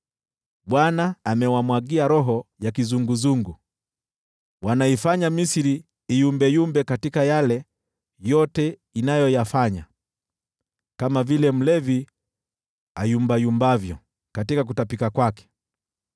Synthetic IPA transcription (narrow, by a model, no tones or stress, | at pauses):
ɓwanaːmɛwamwaɡiaɾɔɦɔjakizuŋɡuzuŋɡu | wanaifaɲamisiɾiː | jumbɛjumbɛkatikajalɛ | jɔtɛ | inajɔjafaɲa | kamavilɛm̩lɛvi | a̰jumbajumbavjɔ̰ | katikak̬utapikakwakɛ̥